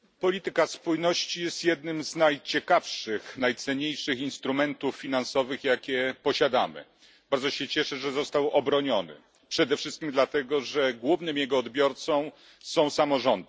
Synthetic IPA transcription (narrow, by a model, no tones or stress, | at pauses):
pɔlʲit̪ɘkaspujnɔɕt͡ɕijɛst̪jɛd̪nɘmznajt͡ɕɛkafʂɘxnajt̪sɛɲejʂɘxinst̪ɾumɛnt̪ufːʲinansɔvɘxjakʲɛpɔɕad̪amɘ̰ | b̥aɾd̪zɔɕɛt͡ɕɛʂɛʐɛzɔst̪awʔɔbɾɔɲɔnɘ̰ | pʂɛd̪ɛfʂɘst̪kʲimd̪lat̪ɛɡɔʐɛɡwuvnɘmjɛɡɔːd̪bʲjɔɾt̪sɔ̃w | sɔ̃w̃samɔʐɔnd̪